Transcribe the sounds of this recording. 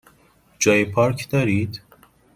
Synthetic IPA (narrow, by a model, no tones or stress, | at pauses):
d͡ʒɒːjepʰɒːɾkʰd̪ɒːɾiːd̪